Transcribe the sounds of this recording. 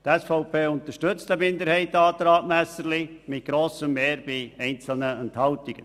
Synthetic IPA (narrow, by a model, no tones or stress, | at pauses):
tɛsfɔʊpʰeːʊnt̪əʃtʏt͡st̪əmɪndəɾhɛɪtɑːt̪ɾɑːtmæsəɾlimɪt̚ɡ̥ɾoːsəmːeːɾb̥iɛɪnt͡sl̩nəɛnthɑltiɡ̥ə